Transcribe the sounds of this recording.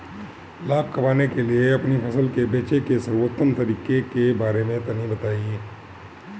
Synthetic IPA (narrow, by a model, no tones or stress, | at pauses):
laːb̚kɐmaːnekelieɐpnipʰɐsəlkebeːt͡ʃekesɐɾwot̪ːəmt̪ɐɾiːkekebaːɾemẽt̪ɐnibɐt̪aːie